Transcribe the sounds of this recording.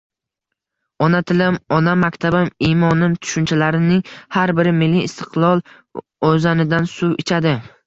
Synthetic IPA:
ɒnat̪ʰɪlɪmɒnamakʲt̪ʰabamimɒnɪmt̪ʰʊ̥ʃʊnt͡ʃʰalaɾɪnɪŋhaɾbɪɾɪmɪlːiːst̪ʰɪ̥qlˠɒlˠ | ozanɪd̪ansʊɪt͡ʃʰad̪ɪ

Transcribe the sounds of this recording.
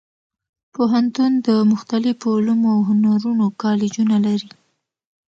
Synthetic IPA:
poɦant̪und̪əmʊxt̪alɪfolumoawɦʊnaɾunokɑlɪd͡ʒunalaɾi

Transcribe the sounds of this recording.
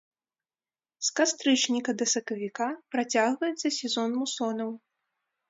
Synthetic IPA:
skast̪ɾɨt͡ʂnʲikɐd̪ɐsɐkɐvʲikapɾat͡sʲaɣvɐjɛt̪sːɐsʲɛzɔnmusɔnɐw

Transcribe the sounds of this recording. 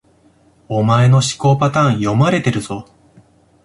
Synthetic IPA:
o̞mae̞no̞ɕi̥ko̞ːpat̪ãɰ̃jo̞maɾe̞t̪e̞ɾɯ̟z̥o̞

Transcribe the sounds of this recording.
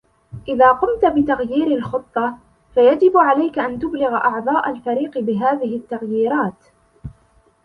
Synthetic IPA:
ʔɪðaːqʊmt̪abɪt̪aɣjiːɾɪlxɨt̪ˤːɑ | fajad͡ʒɪbʕalajkaʔant̪ʊblɪɣʔɑʕd̪ˤɑːʔalfaɾiːqbɪɦaːðɪɦɪt̪ːaɣjiːɾaːt̪

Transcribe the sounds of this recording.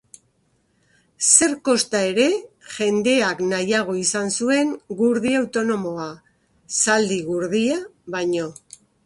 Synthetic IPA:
se̞ɾko̞st̪ae̞ɾe̞ | ʝe̞nd̪e̞aknajaɣ̞o̞isansue̞ŋɡuɾðiawt̪o̞no̞mo̞a | sald̪iɣuɾðiaβaɲo̞

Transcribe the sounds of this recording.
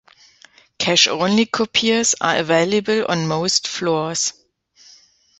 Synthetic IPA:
kʰæʃõʊ̃nlikʰɔpʰiəsa̰əveɪləbəlɔ̰̃nmoʊstflɔs

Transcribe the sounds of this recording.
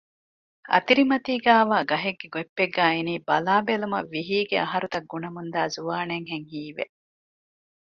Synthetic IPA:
ɐ̰t̪iɾimɐt̪iːɡæːʋaːɡɐɦeɡːeɡuepːeɡːæːiniːbɐlaːbelumɐ̰ʋːiɦiːɡeʔɐɦɐɾut̪ɐɡːunɐmund̪aːzuʋaːneŋɦeŋhiːʋḛʔ

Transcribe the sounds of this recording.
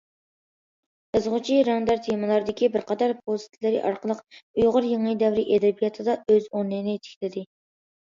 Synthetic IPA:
ɨzʁʊt͡ʃʰiɾɑnd̪ɑɾt̪ʰemɨlˠɑɾd̪ɪkʲibɪɾqʰɑd̪ɑɾp̚ʰost̪ʰlɪɾɪ̰ʔɑɾqəlˠəqujʁʊɾjeŋɨjd̪ɛvɾɪʔed̪ɪbijɑt̪ʰɨd̪ɑøzonːɨnɪt̪ʰɪ̥kʲlɪd̪ɪ

